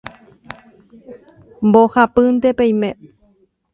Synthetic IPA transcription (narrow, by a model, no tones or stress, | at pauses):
mbohapɨnt̪epeĩmẽ